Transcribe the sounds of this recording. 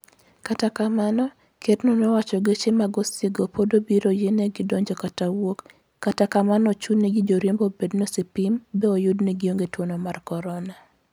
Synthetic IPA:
katakamanɔ | ketnonowat͡ʃɔɡet͡ʃemaɡɔsɪɡopodobiɾojeneɡɪdɔɲd͡ʒɔkatawokː | atakamanɔt͡ʃudneɡid͡ʒoɾjembobednosipɪmbɛɔjʊdneɡioŋɡetwonɔmarkɔɾɔna

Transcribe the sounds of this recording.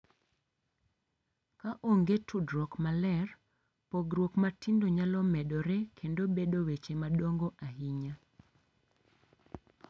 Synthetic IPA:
kaʔoŋɡetudɾɔkmalɛr | poɡɾwokmatindoɲalɔmɛɗɔɾekʰendobedowet͡ʃemaɗoŋɡoʔaɦiɲa

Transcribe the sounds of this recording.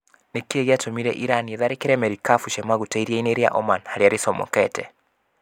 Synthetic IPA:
nekeɣeatomiɾɛ̰ʔiɾanieðaɾekeɾɛmɛɾikafuʃɛmaɣutaiɾiaineɾja̰ʔɔmanhaɾiaɾesɔmɔ̰kɛtɛ

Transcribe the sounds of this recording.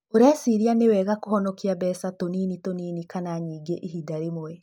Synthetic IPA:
oɾasiɾianewɛːɣakohɔnɔkiabɛsatoninitoniːnikanaɲiːɡeʔiɦidaɾemoɛ

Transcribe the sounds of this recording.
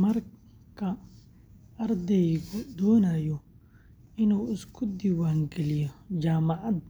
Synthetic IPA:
mɐr | kʰɐ | ɐrd̪ɛjɣʊd̪ɔːnaːjɔ | ɪnuːɪskʰʊd̪ɪwaːŋɡɛlɪjɔd͡ʒaːmɐʕɑd̪

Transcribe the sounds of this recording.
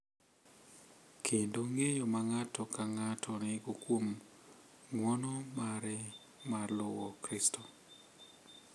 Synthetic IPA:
kʰendoŋejomaŋatɔkaŋatʰɔnɪɡokwom | ŋwɔnɔmaɾɛ | marlowɔkɾistʰo

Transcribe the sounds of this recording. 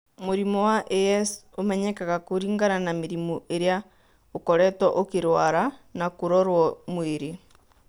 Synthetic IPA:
moɾimɔwaʔeɛs | omɛɲɛkaɣakoɾiːŋɡaɾanameɾimɔʔeɾja | okɔɾɛtɔʔokeɾwaɾanakoɾɔɾwɔmweɾe

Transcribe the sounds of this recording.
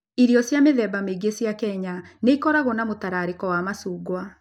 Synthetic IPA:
iɾiɔsjameðɛbameɡesjakɛɲaneikɔɾaɣɔnamotaɾaɾekɔwamasuːɡwa

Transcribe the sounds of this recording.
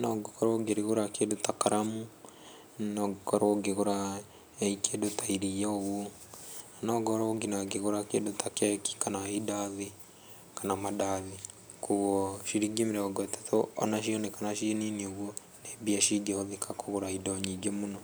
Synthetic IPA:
noɡokʰɔɾoɡeɾiɣoɾakedotakaɾamu | nɔɡokɔɾoɡeɣoɾa | eikedotaiɾijaoɣo | anɔɡɔɾooɡinaɡeɣoɾakedotakɛki̥kanaidaði | kanamadaði | kuɣɔʃiɾiɡimiɾɛoɡɛte̥toɔ̰naʃ̬ionekanaʃininioɣwo | nebiaʃiɡɛhoðikʰakoɣoɾaidɔɲiɡemunɔ

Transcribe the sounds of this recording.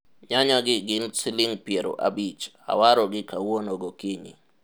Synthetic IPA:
ɲaɲaɡɪɡɪnsɪliŋpjeɾo̰ʔa̰bit͡ʃ | a̰waɾɔɡɪkawonoɡokiɲḭ

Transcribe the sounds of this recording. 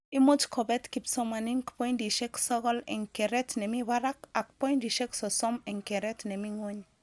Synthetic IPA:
imod͡ʒkʰɔbɛt̪kipsɔmaniŋkpɔjndiʃeksɔɡɔlɛ̰ŋkeɾɛtnemiβaɾakak̚pɔjndiʃeksɔsɔmɛŋkeɾɛtnemiŋwoɲ

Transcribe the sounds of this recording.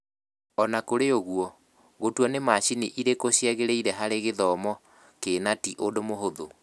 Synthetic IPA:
ɔnakoɾeoɣuɔ | ɣotwɔnemaɕiniʔiɾekoɕjɛɣeɾeiɾɛɦaɾeɣeðɔmɔ | keːnatiʔodomoɦoðo

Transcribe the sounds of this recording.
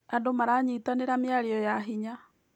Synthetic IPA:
adomaɾaɲitaneɾameaɾiɔjaɦiɲa

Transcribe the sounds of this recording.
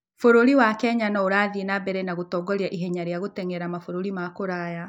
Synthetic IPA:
foɾoɾiwakɛɲanɔoɾaːðienabɛɾɛnaɣotɔːɡɔɾjaʔiɦɛɲaɾeaɣotɛŋɛɾamafoɾoɾimakoɾaja

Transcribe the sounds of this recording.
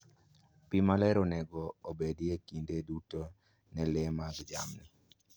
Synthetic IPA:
pimalɛɾɔnɛɡɔobediekindeduto | nɛlɛmaɡd͡ʒa̰mni

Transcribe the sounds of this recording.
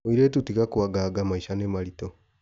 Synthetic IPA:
oiɾetutikakuaɡaɡamaiʃanemaɾito

